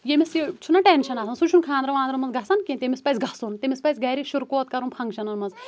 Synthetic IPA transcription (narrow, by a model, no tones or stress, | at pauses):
jemʲisjit͡ʃʰunaʈenʃɐnaːsɐnsut͡ʃʰunkʰãːnd̪ɾɐʋaːnd̪ɾɐmɐnzɡʱɐsɐnkʲĩnt̪emʲispɐjsʲɡʱɐsunt̪emʲispɐjsʲɡɐjɾiʃuɾkoːt̪̚kɐɾunpʰɐŋɡʃɐnɐnmɐnz